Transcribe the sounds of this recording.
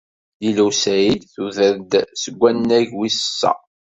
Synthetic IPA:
jiluwsæjid̪θuðəɾd̪səɡʷːænːæʝwisəsːæ̰

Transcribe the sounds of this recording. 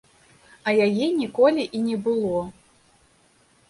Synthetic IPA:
ɐjajɛnʲikɔlʲiʔinʲɛbɨlˠɔ

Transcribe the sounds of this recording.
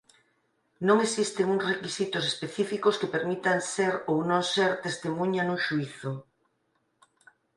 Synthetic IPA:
nõŋesist̪eŋuŋsrekisit̪ʊs̬espeθifikoskepeɾmit̪anseɾownõŋseɾt̪est̪emũɲanuʃuiθʊ

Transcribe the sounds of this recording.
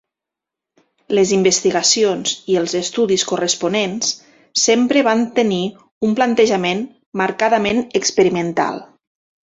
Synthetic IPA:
ləzimbəst̪iɣasionziəlˠzəst̪uðiskurəspunens | sempɾəβant̪əni | umplant̪əʒəmen | maɾkaðəmenəkspəɾimənt̪a̰lˠ

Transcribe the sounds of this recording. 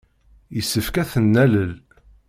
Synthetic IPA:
jəsːəfkæθənːæləl

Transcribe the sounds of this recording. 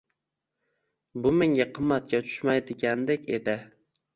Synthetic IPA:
bʊmeŋɡʲaqʰɨmːat̪̚kʲat̪ʰʊ̥ʃmajd̪ɪɡʲand̪ekʲed̪ɪ

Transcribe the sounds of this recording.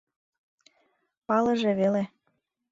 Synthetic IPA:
pɑlɤ̆ʒĕβele

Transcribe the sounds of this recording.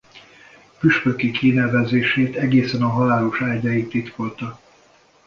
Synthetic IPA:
pyʃpøkikʰinɛvɛzeːʃeːt̪ɛɡeːsɛnɒɦɒlaːloʃaːɟajit̪ːit̪ko̞lt̪ɒ

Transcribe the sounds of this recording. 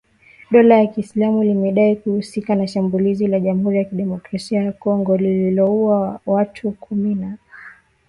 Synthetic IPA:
ɗɔlajakislamulimɛɗaikuhusikanaʃambulizilaʄam̩uhuɾijakiɗɛmɔkɾasiajakɔŋɡɔlililɔuawatʰukʰumina

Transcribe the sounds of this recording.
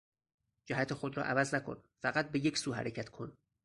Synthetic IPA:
d͡ʒæɦæt̪ʰe̞xod̪ɾɒ̰ːʔævæznækʰo̞̰n | fæɣæt̪̚beje̞cʰsuːɦæ̰ɾecʰæt̪ʰkʰon

